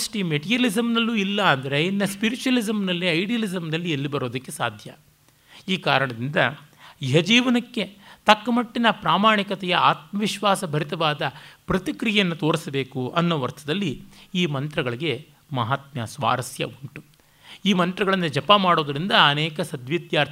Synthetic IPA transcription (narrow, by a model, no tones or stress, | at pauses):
ɐsʈimeʈijɐlizɐmnɐlːuilːɐːnd̪ɐɾeinːɐspiɾit͡ʃuɐlizɐmnɐlːiɐjɖijɐlizɐmnɐlːielːibɐɾo̞ːd̪ɐkːe̞sa̰ːd̪ʱjɐ̰ | iːkaːɾɐɳɐd̪ind̪ɐ | iɦɐd͡ʒiːʋɐnɐkːe̞t̪ɐkːɐmɐʈːinɐpɾaːmaːɳikɐt̪ɛjɐaːt̪̚mɐʋiʃʋaːsɐbʱɐɾit̪ɐʋaːd̪ɐpɾɐt̪ikɾijejɐnːut̪o̞ːɾisɐbe̞ːkuʔɐnːoːʋɐɾt̪ʰɐd̪ɐlːiiːmɐnt̪ɾɐɡɐɭiɡe̞ | mɐɦaːt̪mjɐsʋa̰ːɾɐsjɐ̰uɳʈu | iːmɐnt̪ɾɐɡɐɭɐnːud͡ʒɐpɐmaːɽoːd̪ɐɾind̪ɐːnɛːkɐsɐd̪ʋid̪jaːɾʰ